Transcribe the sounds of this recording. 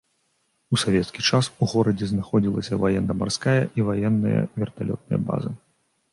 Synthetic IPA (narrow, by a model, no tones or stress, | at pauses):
usavʲɛt̪skʲit͡ʂasuɣɔɾɐd͡zʲɛznaxɔd͡zʲilˠɐsʲɐvajɛnːɐmarskajɐʔivajɛnːɨjɐ̰vʲɛrt̪alʲɔ̰t̪̚nɨjɐ̰ba̰zɨ̰